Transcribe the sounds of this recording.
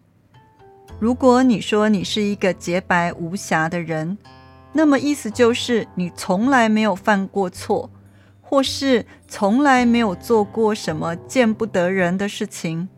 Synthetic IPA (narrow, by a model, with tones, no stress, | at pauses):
ɻu˧˥kwɔ˧˦ni˨˩ʂwɔ˥ni˨˩ʂɻ̩˥˩i˧˥ɡə˧t͡ɕjɛ˧˥pa˧˥ɪʔu˧˥ɕja˧˥d̪ə˧ɻə˧˦n | na˥˩mə˩ʔi˥˩sɹ̩˨t͡ɕjo˥˧ʊʂɻ̩˥˩ni˨˩t͡sʰʊ˧˥ŋla˧˥ɪme˧˥ɪjo˨˩ʊfa˥˧nkwɔ˥˧t͡sʰwɔ˥˩ | xwɔ˥˧ʂɻ̩˥˩t͡sʰʊ˧˥ŋla˧˥ɪme˧˥ɪjo˨˩ʊt͡swɔ˥˧kwɔ˥˩ʂə˧˥nmə˧t͡ɕjɛ˥˧npu˥˩t̪ɤ˧˥ɻə˧˥nd̪ə˧ʂɻ̩˥˩t͡ɕʰi˨˩ŋ